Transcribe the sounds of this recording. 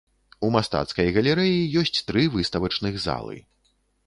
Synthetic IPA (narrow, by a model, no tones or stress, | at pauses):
umast̪a̰t̪skɐjɣɐlʲɛɾɛjijɔsʲt͡sʲt̪ɾɨvɨst̪ɐvɐt͡ʂnɨɣza̰lˠɨ̰